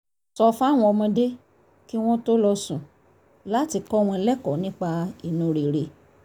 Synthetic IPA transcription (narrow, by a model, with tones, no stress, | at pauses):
sɔ˧fa˦˨w̃ɔ̃˧ɔ˧mɔ̃˧de˦ | ki˦w̃ɔ̃˦to˦lɔ˧sũ˨ | la˦ti˧kɔ˦w̃ɔ̃˧lɛ˦kɔ˨˦nĩ˦k͡pa˧i˨nũ˨˦ɾe˨ɾe˨